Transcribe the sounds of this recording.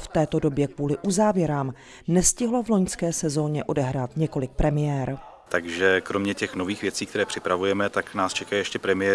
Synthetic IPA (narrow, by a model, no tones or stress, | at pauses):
ft̪ɛːt̪o̞do̞bjɛkvuːlɪʔuzaːvjɛɾaːm | nɛscɪɦlovlo̞ɲskɛːsɛzo̞ːɲɛʔo̞dɛɦɾaːt̪ɲɛko̞lɪk̚pɾɛmɪjɛːɾ | t̪aɡʒɛkɾo̞mɲɛcɛxno̞viːxvjɛt͡siːkt̪ɛɾɛːpr̝̥ɪpɾavujɛmɛt̪aknaːst͡ʃɛkajjɛʃcɛpɾɛmɪjɛ